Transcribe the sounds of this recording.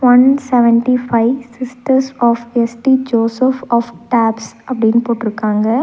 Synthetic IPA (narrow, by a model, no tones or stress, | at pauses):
ʋɐnsɛʋɛɳʈifʰɐɪsɪsʈɐɾsɔːfesʈid͡ʒoːsefɔːfʈaːbsɐpːɐɽɪɪnpoːɾʈːɪɾɯkːaːŋɡɐ